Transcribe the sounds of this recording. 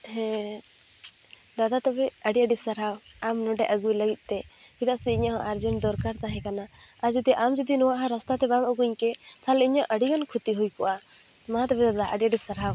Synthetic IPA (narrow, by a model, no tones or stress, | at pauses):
hɛ̃ | d̪ad̪at̪ɔbɛəɖiəɖisəɾɦawamnɔɖɛʔəɡujləɡit̪̚ˀt̪ɛbit̪aʔsɛiɲaɦɔ̃ʔaɾd͡ʒɔnd̪ɔɾkaɾt̪aɦɛ̃kanaaɾd͡ʒud̪iʔamd͡ʒɔd̪inɔwaʔɦɔ̃ɾɔst̪at̪ɛbamuɡuɲkɛt̪ʰalɛiɲɔʔəɖiɡɔnkʰut̪iɦujkɔwʔa | maɦat̪ɔbɛd̪ad̪aʔəɖiəɖisəɾɦaw